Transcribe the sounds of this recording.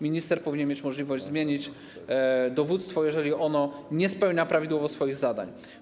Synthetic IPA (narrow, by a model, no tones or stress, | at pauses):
mʲiɲist̪ɛɾpɔvʲiɲɛnmʲjet͡ɕmɔʐlʲivɔʑd͡ʑʲzmʲjeɲit͡ɕ | d̪ɔvut̪st̪fɔjɛʐɛlʲiʔɔnɔɲɛspɛwɲapɾavʲid̪wɔvɔsfɔjiɣzad̪a̰ɲ